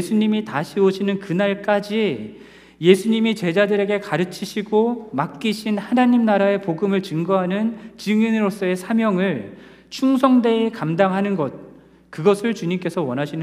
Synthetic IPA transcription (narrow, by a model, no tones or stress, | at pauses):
esʰuɲimitaɕʰioɕʰinɯnkɯnaɭk͈ad͡ʑi | je̞sʰuɲimit͡ɕe̞d͡ʑadɯɾe̞ɡe̞kaɾɯt͡ɕʰiɕʰiɡomak̚k͈iɕʰinhanaɲimnaɾae̞poɡɯmɯɭt͡ɕɯŋɡʌɦanɯnt͡ɕiŋinɯɾos͈ʌe̞sʰamjʌŋɯɭ | t͡ɕʰuŋs̬ʰʌŋde̞ekamdaŋɦanɯnɡʌt̚ | kɯɡʌsʰɯɭt͡ɕuɲimk͈e̞sʰʌwʌnɦaɕʰinɯ